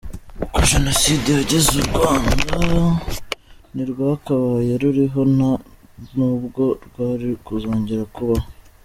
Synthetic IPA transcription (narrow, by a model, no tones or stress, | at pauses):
koʒe̞no̞sideaɟezuɾɡwaːnda | niɾɡwaːkaβajeɾuɾiɦo̞na | nuːbɡo̞ɾɡwaːɾikuzoːɲɟeɾakuβa